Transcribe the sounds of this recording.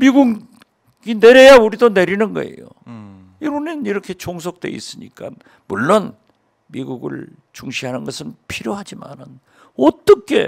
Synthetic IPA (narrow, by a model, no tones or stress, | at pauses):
miɡuɡ | ɡineɾejauɾidone̞ɾinɯnɡʌ̰e̞̰jo̰ | iɾuneiɾʌkʰe̞t͡ɕʰoŋs̬ʰok̚t͈we̞̰ḭs͈ɯɲḭk͈a̰n | muɭːon | miɡuɡɯ̰ɭt͡ɕuŋɕʰiɦanɯnɡʌsʰɯnpʰiɾjoɦad͡ʑima̰nɯn | ʌt͈ʌkʰe̞̰